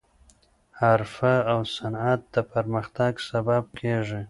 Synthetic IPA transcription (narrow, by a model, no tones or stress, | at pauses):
haɾfaawsanat̪̚d̪əpaɾməxt̪aɡsabab̚kʰeʐi